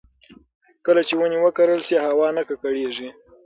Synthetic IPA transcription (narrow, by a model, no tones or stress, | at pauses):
kəlat͡ʃewəniwəkaɾəlsehawɑnakakaɽeʐi